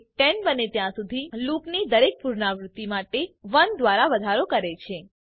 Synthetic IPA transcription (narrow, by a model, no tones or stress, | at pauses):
ʈɛɳbənet̪jãsud̪ʱiluknid̪əɾek̚puɾnaʋɾʊt̪ːimaʈeʋənd̪ʋaɾaʋəd̪ʱaɾokəɾet͡ʃʰe